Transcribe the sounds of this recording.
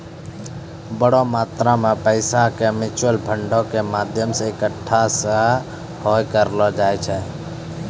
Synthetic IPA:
bəɽomaːt̪ɾamẽpəɪsakemɪt͡ʃwəlbʰʱəɳɖɔkemaːd̪ʱjəmseɪkəʈʰːasə̃ | hɔjkəɾlɔd͡ʒaɛt͡ʃʰɛ

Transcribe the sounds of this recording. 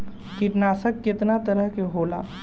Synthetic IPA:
kiʈnaːsəkːɪt̪nat̪əɾəɦkeɦoːla̰ː

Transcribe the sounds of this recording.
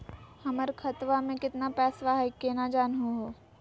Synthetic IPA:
hɐməɾkʰɐt̪ʋamẽkɪt̪napɛːsʋaɦkːenad͡ʒaːnɦoɦoː

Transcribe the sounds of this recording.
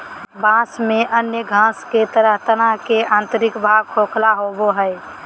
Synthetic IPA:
bãsmeʔənjəɡʱãsket̪əɾəɦt̪ənakeʔãːnt̪əɾɪkbʱaɡ̚kʰokʰlaɦoboɦəɪ

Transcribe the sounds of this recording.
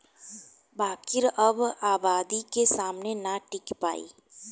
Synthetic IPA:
baːkɪɾəbaːbaːd̪ikesaːmnenaʈɪkpa̰ːḭː

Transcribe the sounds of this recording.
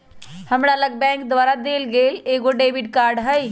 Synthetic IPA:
həmɾaləɡ̚bɛ̃kd̪ʋaɾad̪elɡeleɡoɖebʱiɖkaɾɖɦəj

